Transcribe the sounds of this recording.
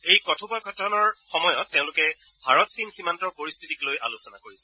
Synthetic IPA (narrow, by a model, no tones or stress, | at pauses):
ejkɔtʰubɔjkʰɔtʰɔnɔɹxɔmɔjɔtːẽʊ̃lʊkɛ | bʱaɹɔtsinximantɔɹpoɹistʰitiklojʔa̰lusɔna̰koɹisɛ